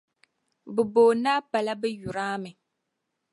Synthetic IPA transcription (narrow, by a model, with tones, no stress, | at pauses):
bɨ˨boː˨naː˦pa˨la˦bɛ˦ju˨ɾaː˦mɨ˨